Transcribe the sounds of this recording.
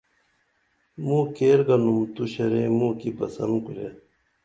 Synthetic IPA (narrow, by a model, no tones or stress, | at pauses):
mũːkeːɾɡɐnumt̪uɕɐɾemũːkipɐsɐnkuɾḛ